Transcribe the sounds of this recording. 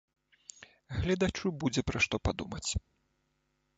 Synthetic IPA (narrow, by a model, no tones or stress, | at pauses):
ɣlʲɛd̪at͡ʂubud͡zʲɛpɾɐʂt̪ɔpad̪umɐt͡sʲ